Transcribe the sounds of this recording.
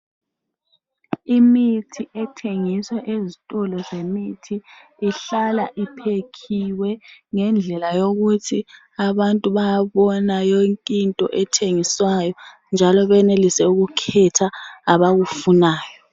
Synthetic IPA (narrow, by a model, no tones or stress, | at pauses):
imitʰiʔɛtʰeŋiswɛʔezitʼɔlɔzemitʰiː | ɬalaʔipʰekʰiwɛŋɛnd͡ɮʱɛlajoɣutʰi | aβantʼuβajaβɔnajoŋkʼintʼɔ̰ʔɛtʰeŋiswajɔ | nd͡ʒʱalɔβɛnelisɛuɣukʰɛtʰaːβaɣufunaːjɔɔ